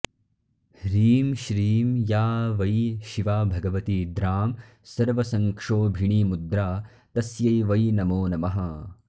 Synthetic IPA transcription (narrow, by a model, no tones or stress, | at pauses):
ɾiːmʃɾiːmjaːʋɐjʃiʋaːbʱɐɡɐʋɐt̪iːd̪ɾaːm | sɐɾʋɐsɐŋkʂoːbʱiɳiːmud̪ɾaː | t̪ɐsjɐjʋɐjnɐmoːnɐmɐɦɐ